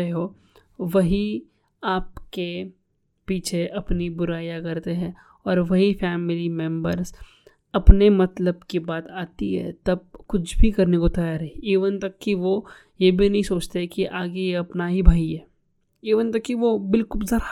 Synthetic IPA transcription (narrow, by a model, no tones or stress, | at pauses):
eɦo | ʋɐɦi | aːpke | piːt͡ʃʰeʔɐpnibʊɾaːjakɐɾt̪eɦɛ̃ | ɔːɾʋɐɦifɛːmɪlimɛ̃mbəɾz | ɐpnemɐt̪ləbkibaːt̪aːt̪iɦɛ̰t̪ɐb̚kʊt͡ʃʰbʱikɐɾnekot̪ɐjaːɾɦɛiiːʋənt̪ɐkːiʋo | jebʱinɐɦĩsoːt͡ʃt̪ekiʔaːɡejeɐpnaɦibʱaːiɦɛː | iːʋənt̪ɐkːiʋobɪlkʊlzɐɾa